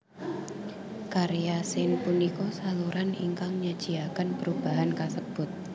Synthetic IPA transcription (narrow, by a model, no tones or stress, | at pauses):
kaɾijasɪnpunikɔsaluɾʔanḭŋkaŋɲad̥d͡ʒ̥iakanpəɾub̥aɦankasəb̥ʊt̪̚